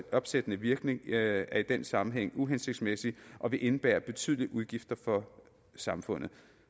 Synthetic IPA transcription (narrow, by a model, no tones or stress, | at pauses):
ɒ̽b̥sed̥ənəʋiɐɡ̥ne̝ŋæɐid̥en̰sɑ̈mm̩ɦeŋ̰uɦense̝ɡ̥̚d̥smesiʔɒ̽ʋe̝ʔe̝nəb̥æ̰ːɐb̥e̝t͡sʰy̰ð̰ˠliəʔuð̞ˠɡ̥ifd̥ɐfɒ̽ | sɑ̈mfɔ̽n̰ð̩ˠ